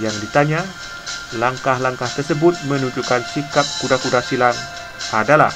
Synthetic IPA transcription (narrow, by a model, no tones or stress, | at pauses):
jaŋdit̪aɲa | laŋkahlaŋkaht̪ərsəbʊt̪̚mə̃nuɲd͡ʒukansikap̚kudakudasilaŋ | adala̰h